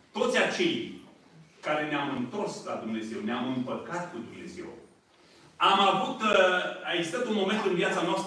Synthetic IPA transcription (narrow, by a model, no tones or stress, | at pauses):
t̪o̞t̪sʲat͡ʃe̞j | kaɾe̞neamɨnt̪o̞rsla̰d̪umne̞ze̞wneamɨmpəkat̪kud̪umne̞̰ze̞̰w | amavut̪aeɡzist̪at̪unmo̞me̞nt̪ɨnvjat̪sanoast̪